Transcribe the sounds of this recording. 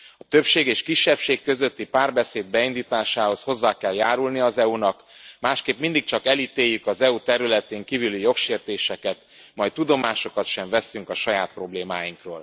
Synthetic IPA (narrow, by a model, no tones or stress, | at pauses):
ɒt̪ø̞pʃeːɡeːʃkiʃːɛpʃeːkːø̞zø̞t̪ːipaːrbɛseːd̪̚bɛind̪iːt̪aːʃaːho̞sho̞zːaːkɛljaːɾulniɒzɛunɒk | maːʃkeːpmind̪ik̚t͡ʃɒkɛlit̪eːjːykɒzɛut̪ɛɾylɛt̪eːŋkiːvylyjo̞kʃeːrt̪eːʃɛkɛt̪ | mɒjt̪ːud̪o̞maːʃo̞kɒt̪ʃɛɱvɛsyŋkɒʃɒjaːt̪̚pro̞bleːmaːjiŋkro̰ːl